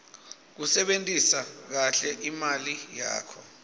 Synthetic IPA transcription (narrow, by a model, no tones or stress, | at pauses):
k̬usɛɓentʼisak̬aɬɛʔimalija̰ːkʰɔ